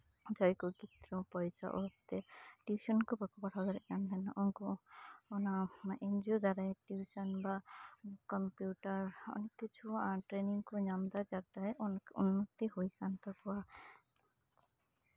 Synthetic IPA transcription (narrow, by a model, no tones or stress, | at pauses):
d͡ʒɔjkuɡit̪ɾɔpɔjsa̰ʔɔt̪ɛʈjusɔnkubɔkʰɔpɔʈʰad̪ɔɾɛʔjand̪ɛnʔɔŋkɔɔnaend͡ʒod̪aɾajʈjusɔnbakɔmpjuʈaɾɔ̰nekːit͡ʃʰuaʈɾeniŋkɔɲamd̪ad͡ʒabd̪ajʔununːɔt̪ihojkʰant̪ɔkɔa